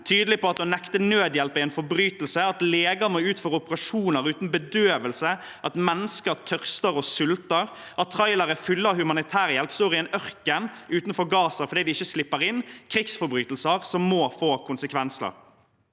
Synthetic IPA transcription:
t̪ʰyːd̪əlɪpɔɑt̪d̪ɔnɛkt̪ənøːd̪jɛlpɪɛɪnfɔɾbɾyːt̪əl̩səɑt̪leːɡəmoʉːt̪føːʁəʊpəʁɑʃuːnəʁʉːt̪n̩bəd̪øːʋəlsə | ʔɑt̪mɛnːəskəɾt̪ʰœʁst̪əɾɔsʉlt̪əɾ | ʔɑt̪ʰːʁɑɪlɑɾəfʏlːəhʉmɑnɪt̪ʰæːɾəjɛlpsuːɾɪɛnœʁkənʔʉːt̪n̩fɔɾɡɑːsəfɔɾd̪iːd̪ɪɪçːəslɪpːəɾɪnkʰɾɪksfɔɾbɾyːt̪l̩səʁsɔmːoːfoːkʰʊnsəkʰʋɛnsə̰ɾ

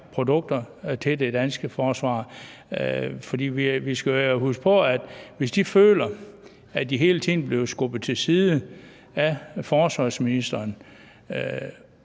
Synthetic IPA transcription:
pʰʁo̝d̥ɔ̽ɡ̥̚d̥ɐ | t͡sʰe̝d̥e̝d̥ænsɡ̥əfɒːsʋɑ̰̈ː | fɒd̥ḭːʋiʋisɡ̥æhusɡ̥pʰɒ̽æd̥ʋe̝sd̥ifø̰ːlɐ | æd̥iɦe̝̰ːlət͡sʰḭːn̩b̥le̝ʊsɡ̥ɔb̥ð̩ˠt͡sʰe̝lsiːðˠə | æfɒːsʋɑ̈sminisd̥ɐːn

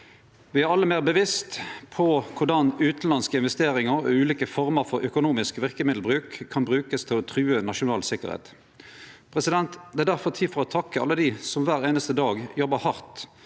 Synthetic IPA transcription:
ʋɪæɾɑlːəmeːʁbəʋɪst̪pʰɔkʰʊʁdɑnʉːt̪n̩lɑnskəɪnʋɛst̪eːɾɪŋəɾɔ̰ʉːliːkəfɔʁməʁfɔʁœkʊnuːmɪskʋɪʁkəmɪd̪l̩bʁʉːkkʰːɑnbʁʉːkəst̪ʰɪlɔt̪ʰʁʉːənɑʃʊnɑːlsɪkə̰ʁhḛːt̪ | pʰʁɛsɪd̪ɛnt̪d̪ɛæʁd̪æʁfɔt̪ʰiːfɔʁɔt̪ʰɑkːəɑ̰lːəd̪iːsɔmʋæːʁeːnəst̪əd̪ɑːɡjɔbəhɑʁt̪

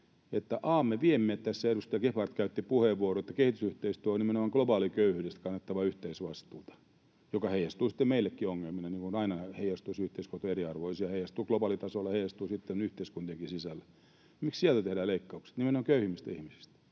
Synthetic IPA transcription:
et̪ːæʔɑːmːeʋiemːeːt̪t̪æsːæeɾust̪ɑjɑkefɑrt̪kæyt̪ːipuheʋʋuoroet̪ːæ̥kehit̪ysyht̪eist̪yæonnimenomɑŋklobɑːlikøyhyːɾest̪kɑnːɑt̪ːɑʋɑyht̪eisʋɑst̪uːt̪ɑ̥ | jokɑheijˑɑst̪uːsi̥t̪ːemeilːekːioŋːelminɑniːŋkunɑinɑheijˑɑst̪usyht̪eiskot̪oeriɑrʋoisiɑheijˑɑst̪uːklobɑːlit̪ɑsolːɑhejˑɑst̪uːsit̪ːenyht̪eiskunt̪ieŋkisisælːæ̥ | mikssielt̪æt̪ehdæːleikːɑukse̥t̪nimenomɑŋkøyhimːist̪ihmisi̥st̪æ̥

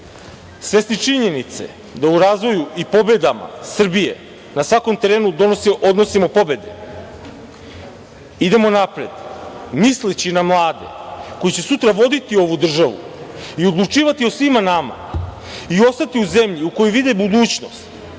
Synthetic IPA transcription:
sʋe̞sit͡ʂiɲe̞nit̪se̞̰ | d̪auɾaːzʋo̞juʔipo̞be̞d̪ama̰sr̩bije̞ | nasʋako̞mt̪e̞ɾeːnud̪o̞no̞siʔo̞d̪nosimo̞po̞be̞d̪ḛ | id̪e̞monapɾed̪mislit͡ɕinamlˠaːd̪e̞̰ko̞jit͡ɕe̞sut̪ɾaʋo̞d̪it̪io̞ʋud̪r̩ʒaʋṵio̞d̪lˠut͡ʂiːʋat̪io̞sʋimanama̰ | io̞st̪at̪iuze̞mʎiuko̞jiʋid̪ebud̪uːt͡ɕno̞st̪

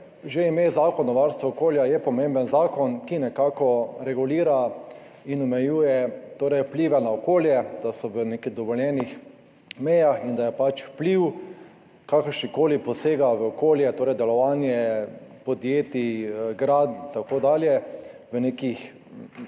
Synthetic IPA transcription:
ʒeimeːzaːkɔnːɔʋaɾst̪ʋɔɔkoːljajɛpɔmẽmbənzaːkɔnkinɛkaːkɔɾɛɡuliːɾa | inɔmɛjuːjɛt̪oːɾɛjwpliʋɛnaɔkoːljɛd̪̥asɔʋənekiɣd̪ɔʋɔljɛnix | mɛjaxind̪ajɛpat͡ʃwpliw | kakəɾʃnikoːlipɔseːɡaʋəɔkoːljɛt̪oːɾɛjd̪ɛlɔʋaːnjɛpɔd̪jeːt̪iɡɾad̪t̪akoːd̪aːljɛʋənekix

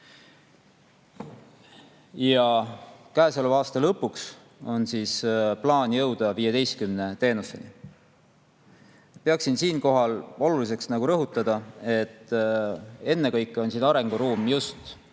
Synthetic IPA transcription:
jɑkæesolvɑːst̪ɑlɤpːuks | o̞nsisplɑːnjɤwd̪̥ɑviːjed̪e̞jst̪kymne̞t̪e̞ːnuse̞̰nḭ | peɑksinsiːnko̞ɦɑlo̞lulis̬e̞ksnɑɡ̥uɾɤɦut̪ːˑɑd̪̥ɑe̞t̪ːˑ | e̞nːe̞kɤjkːˑeo̞nsiːnɑɾe̞ŋɡ̥uɾuːmjust̪

